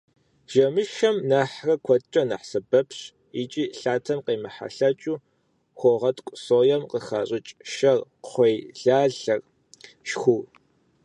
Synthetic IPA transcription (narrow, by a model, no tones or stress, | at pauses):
ʒ̥ɐmɨʃɐmnaːħrɐkʷʰɔt͡ʃʼɐna̰ħsɐbɐpʰɕ | it͡ʃʼiːɬaːtʰɐmqeːmɐħa̰ɬɐt͡ʃʼuː | xʷɔʁɐtʰʼkʷʼʊsoːjɐmqəxa̰ːɕʼɪt͡ʃʼʃɐrχʷejɮaːɮɐr | ʃxʷu